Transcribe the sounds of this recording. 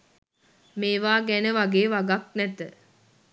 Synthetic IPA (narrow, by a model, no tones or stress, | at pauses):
meːʋaːɡænəʋaɡeːʋaɡak̚nɛt̪ə